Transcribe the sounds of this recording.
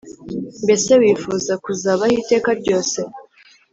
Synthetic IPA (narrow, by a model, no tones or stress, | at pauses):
mbe̞se̞wiːfuzakuzaβahite̞ːkaɾɟo̞ːse̞